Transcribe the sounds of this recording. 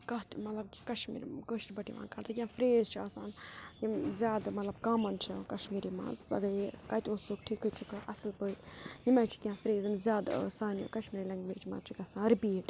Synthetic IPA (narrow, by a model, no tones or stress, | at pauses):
kɐɦt̪mɐt̪lɐb̚ki̥kɐʃmḭːɾkəʃʈbɐʈḭʋa̰ːnkɐɾt̪ʰɨkʲjãːfɾeːzt͡ʃʰiaːsaːnjimzʲjaːd̪mɐt̪lɐbkaːmɐnt͡ʃʰɐkɐʃmiːɾimã̰ːzɐ̰ɡɐekɐt̪ʲoːsoːkʈʰiːkɨt͡ʃʰukɨʔɐsɨlpəit̪jimãːt͡ʃʰi̥kʲãːfɾeːzimzʲjaːd̪̰saːnijo̰kɐʃmiːɾilɐ̃ŋɡbeːt͡ʃʰimã̰ːzt͡ʃʰukɐsãːnɾipiːʈ